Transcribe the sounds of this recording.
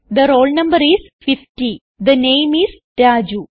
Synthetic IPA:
d̪əɾoːlnɐ̃mbəɾiz | fɪfʈi | d̪ɐnẽːmiz | ʈaːd͡ʒu

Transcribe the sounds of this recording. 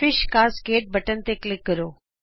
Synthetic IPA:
fɪʃkaːzɡeːʈ̚bʱɐʈənɪ̆t̪eklɪkːɐɾoː

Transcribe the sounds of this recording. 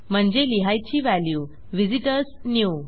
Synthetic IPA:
m̤əɳd͡ʑeliɦajt͡ɕiːʋæljuː | ʋid͡ʑiʈəɾsnju

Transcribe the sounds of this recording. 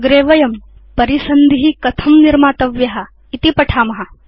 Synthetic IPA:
ɡɾeːʋɐjɐmpɐɾisɐnd̪ʱiɦikɐt̪ʰɐmniɾmaːt̪ɐʋjɐɦɐ̆ | it̪ipɐʈʰaːmɐɦɐ

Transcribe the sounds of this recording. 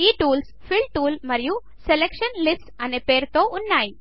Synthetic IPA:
iːʈuːlspʰiɭʈuːlmɐɾiju | selekʂɐnlisʈɐnepeːɾt̪oːʔunːaːji

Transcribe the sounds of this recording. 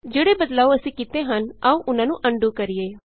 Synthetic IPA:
d͡ʒeːɽeːbəd̪laːoəsĩːkɪt̪eːɦənaũʔʊnãːnũːʔəɳɖuːkəɾieː

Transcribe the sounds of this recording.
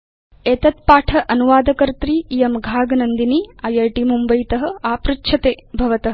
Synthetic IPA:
eːt̪ɐt̪̚paːʈʰɐʔɐnuʋaːd̪ɐkɐɾt̪ɾiːjɐmɡʱaːɡɐnɐnd̪iniɐjɐjʈimumbɐjt̪ɐɦɐ̆aːpɾitʃʰɐt̪eːbʱɐʋɐt̪ɐɦɐ

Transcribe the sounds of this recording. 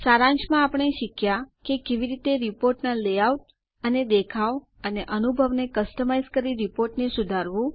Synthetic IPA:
saɾãɲt͡ʃmãapəɳ̃eʃikjakekeʋiɾit̪eɾipoɾʈnalejaut̪̚ | əned̪ekʰaʋ | əneʔənubʱəʋnekəsʈəmajzkəɾiɾipoɾʈnesud̪ʱaɾʋũ

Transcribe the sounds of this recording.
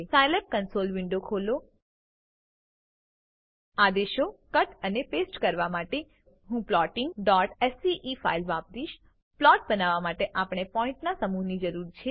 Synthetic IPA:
sajlep̚kənsolʋɪɳɖokʰolo | ad̪eʃokəʈənepesʈkəɾʋamaʈe | ɦũplɔʈɪ̃ŋɡɖɔʈɛsiʔifa̰ilʋãp̚d̪iʃ | plɔʈ̚bənaʋamaʈeʔapɽ̃epɔ̃ɪ̃ɳʈnasəmunid͡ʒəɾuɾt͡ʃʰe

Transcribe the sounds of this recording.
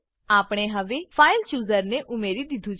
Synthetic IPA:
aːpɽ̃eːɦəʋeːpʰaːɪlt͡ʃuːzəɾneːʔʊmeːɾiːd̪ɪt̪ʰːuːt͡ʃ

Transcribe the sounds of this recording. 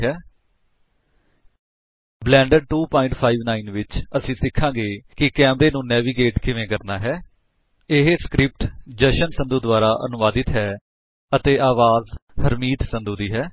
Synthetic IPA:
ɦɛː | blɛ̃ːɳɖəɖ̚ʈuːpɔːɪ̃ɳʈpʰaːiːʋnaːiːnʋɪt͡ʃəsĩːsɪkʰːãːɡeːkɪkɛːmɾeːnũːnɛːʋiːɡeːʈkɪʋẽːkəɾnaːɦɛː | ɪɦskɾɪp̚ʈd͡ʒəʃənsənd̪uːd̪ʊaːɾaːʔə̰nʊʋaːd̪ɪt̪ɦɛː | ət̪eːʔaːʋaːzhəɾmiːt̪sənd̪uːd̪iːɦɛː

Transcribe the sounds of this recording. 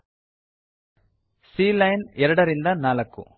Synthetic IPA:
siːlɐjnɛɾɐɽɐɾind̪ɐnaːlɐkːṵ

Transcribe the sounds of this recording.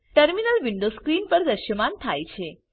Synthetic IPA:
ʈəɾminəlʋɪɳɖoskɾinpəɾd̪əʃjəmant̪ʰajt͡ʃʰe

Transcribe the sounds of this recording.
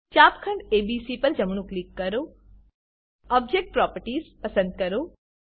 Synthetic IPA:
t͡ɕaːpkʰɐ̃ɳɖeːbiːsipɐɾd͡ʒɐmɳ̃ũklikːɐɾoː | ɔːb̚d͡ʒeːk̚ʈ̚pɾɔːpəɾʈiːzpɐsə̃nd̪̚kɐɾoː

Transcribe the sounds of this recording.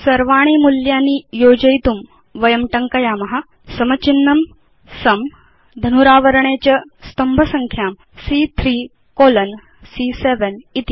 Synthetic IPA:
sɐɾʋaːɽ̃iːmuljaːnːiːjoːd͡ʑɐjt̪um | ʋɐjɐmʈɐŋkɐjaːmɐɦa | sɐmɐt͡ɕinːɐm | sɐm | d̪ʱɐnuɾaːʋɐɾɐɳ̃et͡ɕɐst̪ɐmbʱɐsɐŋkʰjaːm | siːt̪ʰɾiː | koːlɐn | siːseʋenit̪i

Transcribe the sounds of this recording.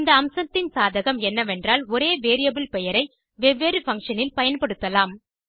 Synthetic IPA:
ɪnd̪ɐɐmsɐt̪ːɪnsaːðɐɣɐmɛnːɐʋɛndraːlɔɾeːʋeːɾɪjɐbɪlpɛjɐɾɐɪ | ʋɛʋːeːɾɯfɐŋkʂɐnɪlpɐjɐnpɐɽɯt̪ːɐlaːm

